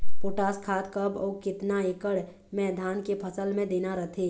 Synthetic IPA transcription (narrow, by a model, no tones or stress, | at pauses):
poːʈaːskʰaːt̪kəbɔːkɪt̪naeːkəɽ | mɛːd̪ʱaːnkepʰəsəlmẽd̪eːnaɾət̪ʰeː